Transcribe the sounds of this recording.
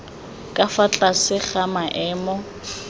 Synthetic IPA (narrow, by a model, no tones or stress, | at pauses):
kʼafat͡ɬʼasɪχamaʔɛːmɔ